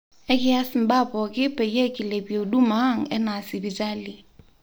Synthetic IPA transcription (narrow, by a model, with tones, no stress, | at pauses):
ɛ˦kʼɪ˦a˦sɪ˨m̩˨ba˦pɔ˨kʼɪ˦pɛ˨je˦kʼɪ˨le˨bi˨o˨du˦ma˦ŋ̩˨ɛ˦na˨sɪ˨bi˨ta˦li˨